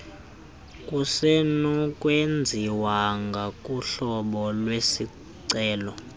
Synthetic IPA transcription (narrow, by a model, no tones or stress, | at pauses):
kʼusenukʼwend͡zʱiwaŋɡʱakʼuɬɔɓɔlwesi | ǀɛːlɔ